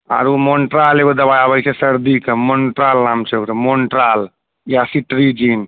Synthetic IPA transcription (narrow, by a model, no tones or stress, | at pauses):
a̰ɾumoɳʈɾaːleʋod̪ɐbaːjaːbɐjt͡ʃʰesɐɾd̪iːkɐmoɳʈɾaːlnaːmt͡ʃʰokɾɐmoɳʈɾaːl | jasiʈɾid͡ʒiːn